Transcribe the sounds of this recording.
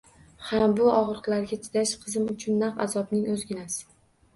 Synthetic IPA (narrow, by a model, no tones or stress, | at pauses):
hambʊʔɒʁɾɨqlˠaɾɡʲat͡ʃ̪ʰɪ̥d̪aʃqʰɨzɪmʊt͡ʃʰʊnːafazɒbnɪŋɵzɡʲɪnas